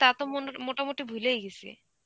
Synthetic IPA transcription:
t̪at̪omomoʈamoʈibʱulejɡet͡ɕʰḛ

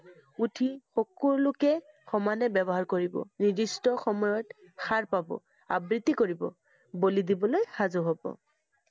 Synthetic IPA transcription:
utʰixokuɹlʊkɛ | xɔmanɛbɛbɔɦaɹkoɹibɔ̰nidistɔxɔmɔjɔt | xaɹpabɔ̰ | a̰bɹit̪ːikoɹibɔ̰ | bolidibɔlojxazoɦobɔ̰

